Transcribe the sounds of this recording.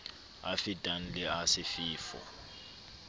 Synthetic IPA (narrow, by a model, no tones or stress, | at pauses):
a̰fitʼan̩lɪasɪfiːfɔ̰